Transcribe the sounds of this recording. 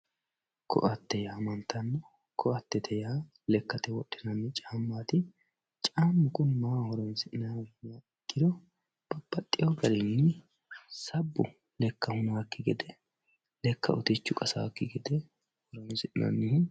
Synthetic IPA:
kʰɔ̰ʔɐt̪ːɛjaːmɐnt̪ɐnːɐ | kʰɔɐt̪ːɛt̪ʰɛjaː | lɛkːɐt̪ɛwɔɗʼːɪnɐnːɪt͡ʃʼaːmːaːt̪ɪ | t͡ʃʼaːmːʊkʊnmaːhɔɾɔjnsɪʔnɐanːɪjaɛkːɪd̪ɔ | b̥ɐb̥ːɐt̪ʼːɪjɔɡɐɾɪnːɪ | sɐbːʊ̰ | lɛkːɐhʊnaːkːɪɡɛd̪ɛ | lɛkːɐ̰ʔʊ̰t̪ɪt͡ʃːʊkʼɐsa̰ːkːɪɡɛd̪ɛ | hɔɾɔjnsɪʔɪnɐ̰nːɪhɪ

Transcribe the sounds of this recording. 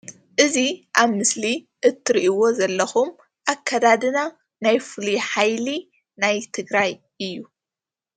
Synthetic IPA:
ʔɨziʔaβmɨsli | ʔɨt̪ʰːɨɾiʔiwo̞zɐlːɐxum | ʔakʰːad̪ad̪ɨna | najfɨliħajli | najt̪ʰɨɡɾaj | ʔɨjːu

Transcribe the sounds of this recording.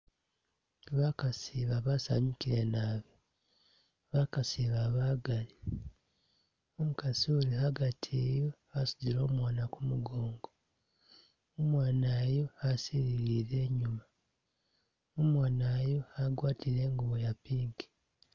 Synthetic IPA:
βakasiːβaβasa̰ɲukiɾe̞naːβe | βakasiːβaβaːɡali | omukasiulihaɡatʰeːjo̞ | asu̥diɾo̞ːmwaːnakumuɡo̞ːŋɡo | omwaːnaːjo̞hasiɾiɾiːɾe̞ːɲuma | omwaːnaːjo̞haɡwaːtiɾe̞ːŋɡuβo̞japiːŋɡe̥

